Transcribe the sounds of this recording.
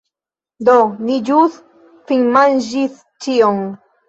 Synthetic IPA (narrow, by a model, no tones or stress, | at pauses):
d̪oniʎuθ | fiŋmanʒiθ | t͡ʃioŋ